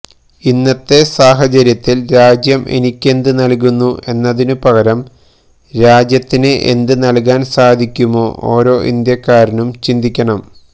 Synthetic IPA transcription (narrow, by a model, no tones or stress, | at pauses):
inːɐt̪ːe̞saːɦɐt͡ɕɐɾjɐt̪ːilɾaːd͡ʑjɐme̞̰nikʲːe̞nd̪ɨnɐlk̬unːuʔe̞nːɐðinɨpɐɣɐɾɐm | ɾaːd͡ʑjɐt̪ːineʔḛnd̪ɨnɐlk̬aːnsaːd̪ʱikʲːumo̞ːʔoːɾo̞ːʔḭnd̪jɐkːaːɾinumt͡ɕind̪ikʲːɐɳɐm